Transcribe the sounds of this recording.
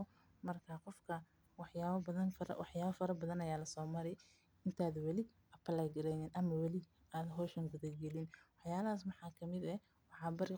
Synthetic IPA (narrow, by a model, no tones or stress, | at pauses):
mɐrkʰaqɔfkʰɐ | wɑħjaːβɐbɐðɐnfɐ̰wɑħjaːβɐfɐɾɐbɐðɐnɐjaːlɐsɔːmɐɾɛj | ɪnt̪ʰaːd̪wɑlɪ | ʔɐpʰɐlɛːɡɐɾɛnɛnʔɐmɐwɑlɪ | aːd̪ɦɔːʃɐŋɡʊðɐɡɛlɪnwɑħjaːlɐɦaːs̬mɑħɑːkʰɐmɪd̪ɛ | wɑħɑːbɐɾɪ